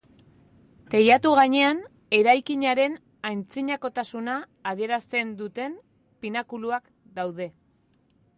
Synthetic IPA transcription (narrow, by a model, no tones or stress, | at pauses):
t̪e̞jat̪uɣ̞aɲe̞an | e̞ɾajkiɲaɾe̞n | ajnt͡siɲako̞t̪asunaː | ð̞ie̞ɾast̪e̞nd̪ut̪e̞m | pinakuluak | d̪awð̞e̞